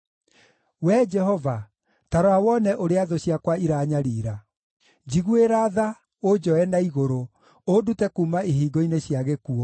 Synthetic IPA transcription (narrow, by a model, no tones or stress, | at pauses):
wɛd͡ʒɛɦɔva | taɾɔawɔnɛʔoɾeaðoɕiakwaiɾaːɲaɾiːɾa | d͡ʑiɣueɾaða | od͡ʒɔɛnaiɣoɾo | odutɛkuːmaiɦiːɡɔineɕjaɣekuɔ